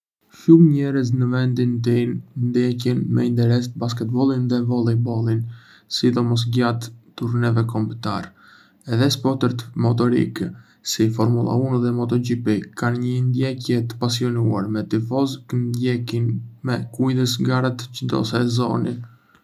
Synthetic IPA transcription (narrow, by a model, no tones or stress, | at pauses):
ʃumɲɛɾəz̬nəvɛnd̪int̪̬innd̪jɛcɛnmɛ̰int̪ɛɾɛs̬t̪̚baskɛt̪̚bɔlˠinðɛvɔlˠibɔlˠin | sid̪ɔmɔs̬ɡat̪ːuɾnɛvɛkɔmbt̪a̰ɾ | ɛðɛspɔt̪əɾt̪mɔt̪ɔɾḭk | sifɔɾmulˠa̰unðɛmɔt̪ɔd͡ʒipikanɲənd̪jɛcjɛt̪ə̥pasiɔnua̰ɾmɛt̪ifɔzknd̪jɛkinmɛkujðəsɡaɾat̪t͡ʃəd̪ɔ̰sɛzɔ̰ni